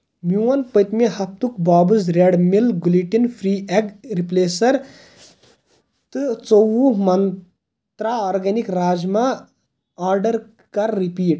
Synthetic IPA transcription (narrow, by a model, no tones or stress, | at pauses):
mjuwɐnpɐjt̪meɦɐp̚t̪ukbaːbɨzɾeɽmilɡuliʈinpʰɾiːeɡɾipleːsɐɾ | t̪ɨt͡sɐwumɐn | t̪ɾaːɔːɾɡɐnikɾaːd͡ʒma | aːɾɖɐɾ | kɐɾːipiːʈ